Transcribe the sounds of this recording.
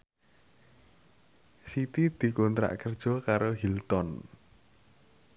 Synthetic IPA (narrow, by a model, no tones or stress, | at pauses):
sit̪id̪̥i̤kont̪ɾa̰ʔkərd̥ʒ̥ɔ̤kaɾoɦilt̪ɔn